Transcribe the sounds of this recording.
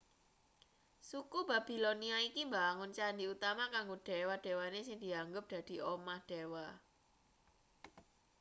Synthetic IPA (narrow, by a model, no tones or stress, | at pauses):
sukubab̥i̤loniaikimbaŋʊnt͡ʃandiut̪amakaŋɡoɖ̥e̤wad̥e̤wanesɪŋd̪̥i̤aŋɡʊp̚d̪̥ä̤d̪̥i̤ʔomahd̪̥ewa